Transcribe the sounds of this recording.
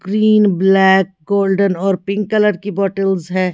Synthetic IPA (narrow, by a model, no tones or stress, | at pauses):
ɡɾiːnblɛːk̚ | ɡoːlɖənɔːɾpɪ̃ŋɡkələɾkibɔːʈəlzɦɛ̃ː